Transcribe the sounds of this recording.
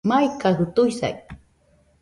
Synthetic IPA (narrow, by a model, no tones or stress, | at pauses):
majkahʊt̪ʊjsa̰j